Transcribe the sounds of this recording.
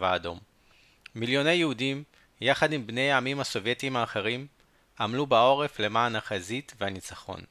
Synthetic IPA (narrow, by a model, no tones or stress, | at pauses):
vaːdo̞mː | iljo̞ne̞jehudim | jaχadimbne̞jamimhaso̞vje̞timaːχeʁim | ʔamlubao̞ʁefle̞maːnaχazitvehanit͡saχo̞̰n